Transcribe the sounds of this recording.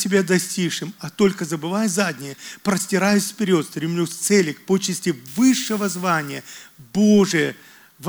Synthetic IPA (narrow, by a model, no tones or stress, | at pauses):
tʲɪbʲad̪ɐsʲtʲiʂɨmɐt̪o̞lʲkəzəbɨvajzad̪ʲnʲɪjəpɾəsʲtʲɪɾajʊsʲfpʲɪɾʲo̞t̪st̪ɾʲɪmlʲusʲt̪sɛlʲɪkpot͡ɕɪsʲtʲɪvɨʂːɨvəzvanʲɪjəboʐɨjə | v